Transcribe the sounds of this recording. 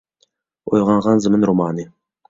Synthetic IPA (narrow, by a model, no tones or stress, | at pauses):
ojʁɑɴʁɑnzɨmɨnɾomɑːnɨ